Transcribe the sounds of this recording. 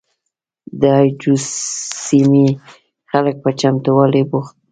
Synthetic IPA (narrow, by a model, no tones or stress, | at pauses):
d̪əajd͡ʒusimi | xalək̚pət͡ʃamt̪uwalebuxt̪̚